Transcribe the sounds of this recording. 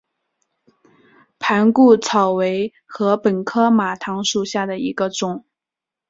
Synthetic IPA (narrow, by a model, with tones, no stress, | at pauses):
pʰa˧˥nku˥˩t͡sʰɑ˨˩ʊwe˧˥ɪ | xɤ˧˥pə˨˩nkʰɤ˥ma˨˩t̪ʰɑ˧˥ŋʂu˨˩ɕja˥˩d̪ə˩i˧˥ɡə˧ʈ͡ʂʊ˨˩˦ŋ